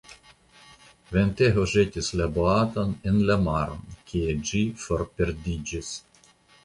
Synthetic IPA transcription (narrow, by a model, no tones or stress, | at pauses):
vent̪eɦoʒet̪ʲislaboat̪onenlamaɾo̰nkʰʲied͡ʒifoɾpeɾd̪id͡ʒis